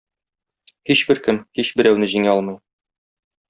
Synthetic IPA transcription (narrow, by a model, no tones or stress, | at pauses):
hiɕbɘɾkɘmhiɕbɘ̆ɾæwnɘʑiŋæɒlˠmɤ̆j